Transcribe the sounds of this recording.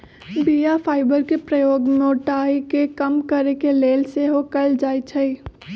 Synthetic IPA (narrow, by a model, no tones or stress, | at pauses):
bijafʰaːɪbəɾkepɾəjoːɡmoːʈaːikekəmkəɾekeleːlseɦokəld͡ʒaːit͡ʃʰəi